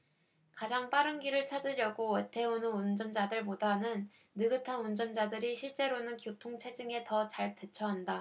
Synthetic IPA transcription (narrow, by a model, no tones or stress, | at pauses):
kad͡ʑaŋp͈aɾɯnɡiɾɯɭt͡ɕʰad͡ʑiɾjʌɡowetʰe̞onɯnund͡ʑʌnd͡ʑadɯɭp̬odanɯnː | ɯɡɯtʰanund͡ʑʌnd͡ʑadɯɾiɕʰiɭt͡ɕ͈e̞ɾonɯnkjotʰoŋt͡ɕʰe̞d͡ʑɯŋe̞tʌt͡ɕaɭtet͡ɕʰʌɦanda